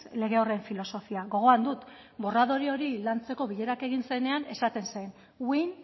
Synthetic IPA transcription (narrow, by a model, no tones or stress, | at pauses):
le̞ɣ̞e̞o̞reeɱfilo̞so̞fiaɣo̞ɣ̞o̞and̪ut̪ | bo̞raðo̞ɾio̞ɾilant͡se̞ko̞βiʎe̞ɾake̞ɣinse̞ne̞ane̞sat̪e̞nse̞n | win